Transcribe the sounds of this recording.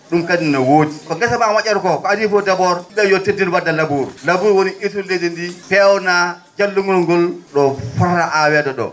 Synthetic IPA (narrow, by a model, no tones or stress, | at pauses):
ɗumkadinawod͡ʒikɔɡasabawat͡ʃʲɛɾkɔkɔadifɔdabɔɾɓɛjɔtedilwadːalabuɾlabuɾwoniʔisuled͡ʒindipɛwɔna | d͡ʒalːuŋɡɔlŋɡɔlɗɔfɔɾɾaʔawɛdɔɗɔ̰